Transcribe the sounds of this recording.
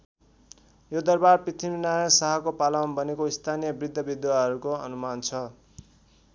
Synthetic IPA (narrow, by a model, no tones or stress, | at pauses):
jod̪ʌrbarprit̪ʰiminajʌsaɦʌkopalʌnbʌnekoist̪ʰanijʌbrid̪ʱːʌbid̪waɦʌɾukoʌ̰numant͡sʰʌ